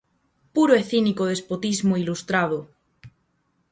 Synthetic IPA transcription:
puɾoeθinikoðespot̪izmoilust̪ɾaðo

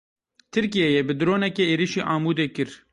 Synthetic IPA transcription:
t̪ʰɨɾkijɛjebɨd̪ɾoːnɛkeeːɾiʃiːʔɑːmuːd̪eːkɨɾ

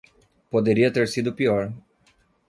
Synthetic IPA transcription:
pod̪eɾiɐt̪eɾsid̪ʊpiɔɾ

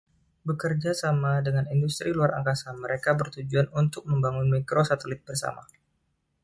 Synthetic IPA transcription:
bəkərd͡ʒasamadəŋanindust̪ɾiluaɾʔa̰ŋkasaməɾekabərt̪ud͡ʒuanunt̪ʊk̚məmbaŋʊnmikɾosat̪əlɪt̪̚bərsa̰ma̰

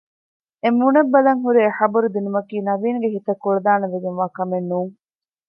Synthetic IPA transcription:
emːunɐbːɐlɐŋɦuɾieħɐbɐɾud̪inumɐkiːnɐʋiːŋɡeɦit̪ɐkːuɾɐd̪aːnɐʋed̪iŋʋaːkɐmenːuːŋ

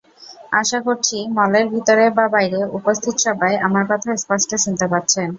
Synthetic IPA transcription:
aʃakoɾt͡ɕʰimɔleɾbʱit̪oɾebabajɾeupost̪ʰit̪oʃɔbʱaeamaɾkɔt̪ʰaespɔsʈeʃunt̪epatːɕʰen

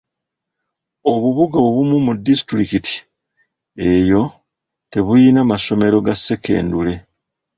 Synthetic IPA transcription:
o̞βuβuɡaβuβumumudːisi̥tɾikitʰi̥ | e̞ːjo̞ | te̞βujinamaso̞me̞ɾo̞ɡasːe̞ke̞̰ːndule̞

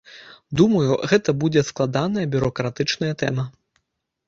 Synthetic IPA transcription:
d̪umɐjuɣɛt̪ɐbud͡zʲɛsklˠad̪anɐjɐbʲuɾɔkɾat̪ɨt͡ʂnɐjɐt̪ɛ̰mɐ

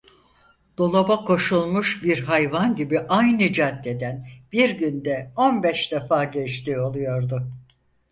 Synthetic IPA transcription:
d̪̥o̞lˠobakʰo̞ʃulˠmuʃbiɾɦajvanɟibiʔajnɯd͡ʒat̪ːe̞d̪ænb̥iɾɟynd̪ɛo̞nbɛʃd̪afaːɟɛt͡ʃt̪ʰiːo̞lˠujo̞ɾd̪ʊ

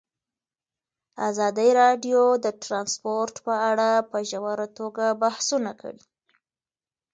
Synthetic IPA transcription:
azɑd̪əɾɑɖjod̪əʈɾɑnspoɾʈpəaɽapəʒawaɾat̪oɡabahsunakʰa̰ɽi

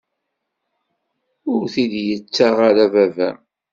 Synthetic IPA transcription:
ʊɾθid̪jət͡sːaʁaɾævævæm

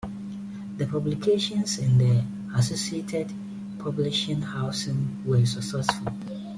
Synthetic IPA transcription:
ðəpʰɔblikʰeʃɔ̃nsɪ̃ndə | asosietʰɛd | pʰɔbliʃĩŋhaʊsɪ̃ŋwɛsəksɛsfulˠ

